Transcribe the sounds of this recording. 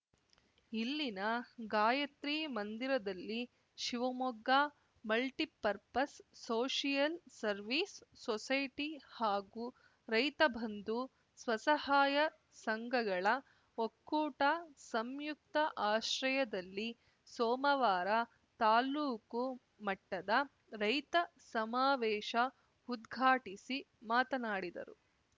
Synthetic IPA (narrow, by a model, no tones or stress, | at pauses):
ilːinɐɡaːjɐt̪ɾiːmɐnd̪iɾɐd̪ɐlːi | ʃiʋɐmɔɡːaː | mɐlʈipɐɾpɐsːoːʃijɐlsɐɾʋiːsːɔsɐjʈihaːɡu | ɾɐjt̪ɐbʱɐnd̪u | sʋɐsɐhaːjɐ | sɐŋɡɐɡɐɭɐ | okːuːʈasɐmjuk̚t̪ɐʔaːʃɾɐjɐd̪ɐlːi | sɔːmɐʋaːɾɐ | t̪aːluːku | mɐʈːɐd̪ɐ | ɾɐjt̪ɐ | sɐmaːʋɛːʃɐ | ud̪ɡʱaːʈisi | maːt̪ɐnaːɽid̪ɐ̰ɾṵ